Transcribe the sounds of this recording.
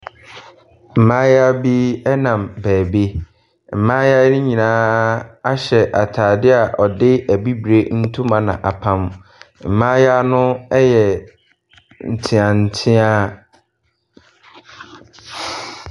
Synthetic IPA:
m̩˨mã˦ja˦bi˦ɛ˦nã˨mbæː˨be˦ | m̩˨mãː˦ja˦nɪ̃˦ɲĩ˨nãː˦a˦ɕɛ˨ʔa˨tʰaː˨dɪ˦a˨ʔɔ˨dɪ˦æ˨bi˦bɾe˦n̩˦tʰũ˦mã˨nã̰˨ʔa˨pʰã˦m | m̩˨mã˦ja˦nʊ̃˦ɛ˦jɛ˨ | n̩˨tʰɪ̃˨ã˨n̩˨tʰɪ̃˦a˦

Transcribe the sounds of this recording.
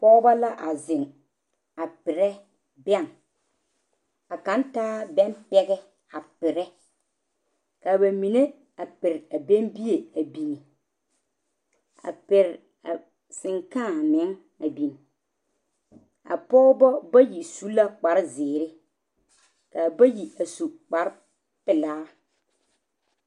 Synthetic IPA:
pɔː˦ba˦la˦ʔa˨zɪ˨ŋ | a˨pɪ˨ɾɛ˦ | bɛ˦˨ŋ | a˨kã˨˦ntaː˦bɛ˦npɛ˦ɡɛ˦ | a˨pɪ˨ɾɛ˦ | ka˨ba˨mi˨ne˦ | a˨pɪ˨ɾa˨be˦mbi˦je˨a˨bi˨n˨ | a̰˨pɪ˨ɾ | a̰˨ | sɪ˨ŋkãː˦˨mɪ˨˦ŋ | a˨bi˨n | a̰˨pɔː˦bɔ˦ba˦ji˨su˦la˦k͡pa˨ɾɪ˦zɪː˨ɾɪ˦ | ka˨ba˦ji˨a˨su˨k͡pa˨ɾ | pɪ˨laː˦

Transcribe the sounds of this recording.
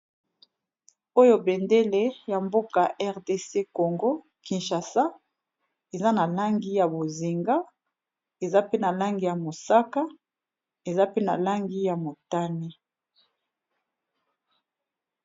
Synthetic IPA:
o˦jo˦be˨nde˦le˦ja˨mbo˦ka˨ʔɛ˦ʁde˦se˦ko˨ŋɡo˦ | ki˨nʃa˨sa˦ | e˨za˦na˨la˦ŋɡi˦ja˨bo˨zi˨ŋɡa˦ | e˨za˦pe˦na˨la˦ŋɡi˦ja˨mo˨sa˦ka˦ | e˨za˦pe˦na̰˨la˦ŋɡi˦ja˨mo˨ta˦ni˦

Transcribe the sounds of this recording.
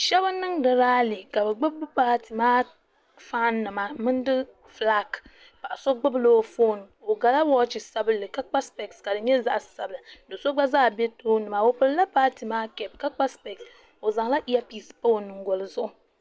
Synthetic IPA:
ʃɛ˦bɨ˦nːɨ˦ŋdɨ˨ɾaː˦li˨ka˨bɨ˨ɡ͡bɨ˦bbɨ˦paː˦ti˨maː˦ | fa˦nːɨ˨ma˨mɨ˦n˦dɨ˦ | fla˦k | pa˨ʔa˨so˦ɡ͡bɨ˦bloː˦foː˦n˨o˨ɡa˨la˦wɔ˦t͡ʃi˨sa˦bɨ˦lːɨ˨ka˦k͡pa˦spɛ˨kska˨dɨ˨ɲɛ˦za˦ʔa˨sa˨bɨ˨la˨dɨ˨so˦ɡ͡ba˦zaː˦˨bɛ˦toː˦nɨ˨ma˨o˨pɨ˦lɨ˦la˦paː˦ti˨maː˦kɛ˨b̚ka˦k͡pa˦spɛ˨ks | o˨za˨ŋ˦la˦ʔi˦a˦pi˦spo˦o˨nɨ˨ŋ˦ɡo˨lɨ˨zʊ˦ʔʊ˨

